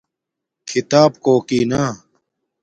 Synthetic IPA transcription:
kʰit̪aːb̚koːkiːnaː

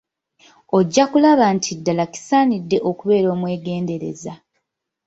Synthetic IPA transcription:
o̞ɟːakulaβantʰidːalaki̥saːnidːe̞ʔokuβe̞ːɾo̞ːmwe̞ːɡe̞ːnde̞ɾe̞̰za

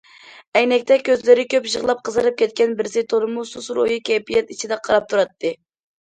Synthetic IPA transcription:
ɛjnɛkʲt̪ʰɛkʲøzlɪɾɪkʲøpʒəʁlˠɑp̚qʰəzɨɾɨp̚kʲʰɛt̪̚kʲɛnbɪɾsɪt̪ʰoɾɨmususɾo̰jɨkʲɛpijɛt̪it͡ʃʰid̪ɛqʰɑɾɑp̚t̪ʰuɾɑt̪ʰːɨ

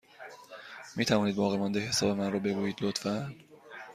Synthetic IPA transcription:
miːt̪ʰævɒːniːd̪̚bɒːɣemɒnd̪ehesɒːbe̞mænrɔːbe̞ɡuːjiːd̪̥lot̪fæn

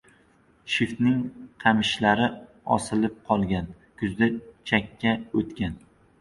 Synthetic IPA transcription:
ʃɪft̪nɪŋqʰɑmɪʃlaɾɪ | ɒ̰sɪlɪp̚qʰɒlˠɡʲan | kʰʊzd̪at͡ʃʰakʲʰːaot̪kʲan

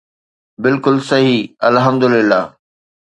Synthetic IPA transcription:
bɪlkʊlsɐɦiɐlɦɐmd̪ʊlɪlːa̰ː

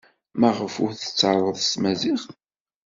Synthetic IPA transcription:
mæʁəfʊɾθə̥t͡sːɑɾˤəðˤsmæziχ

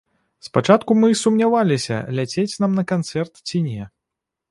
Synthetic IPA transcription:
spat͡ʂat̪kumɨsumnʲavalʲisʲɐ̰lʲat͡sʲet͡sʲnamnɐkant̪sɛrt̪t͡sʲinʲɛ

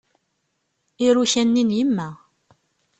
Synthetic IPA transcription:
iɾuçænːinjəmːæ

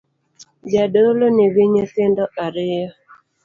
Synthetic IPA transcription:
d͡ʒadolonewiɲet̪ɪndɔʔaɾɪjɔ

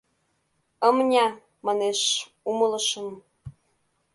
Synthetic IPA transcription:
əmnʲɑ | mɑneʃ | umɤ̆lɤ̆ʃɤ̆m

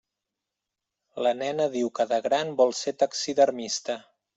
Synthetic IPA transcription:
lənɛnəðiwkəðəɣɾanbɔlˠset̪aksiðəɾmist̪ə

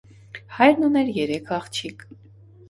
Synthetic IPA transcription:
hɑjɾnunɛɾjɛɾɛkʰɑχt͡ʃʰik

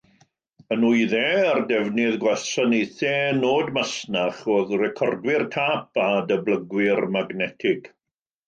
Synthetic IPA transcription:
ənujðɛːardɛvnɪðɡwɛsanejθenoːdmasnaχoːðrɛkʰɔrdwɪrtʰaːpʰadəbləɡwɪrmaɡnɛtʰɪɡ̥

